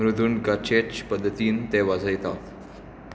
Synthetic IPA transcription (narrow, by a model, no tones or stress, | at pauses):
ɾud̪uːnɡat͡ɕet͡ɕpəd̪ʱːət̪iːnt̪eʋad͡zʱəjt̪a̰t̪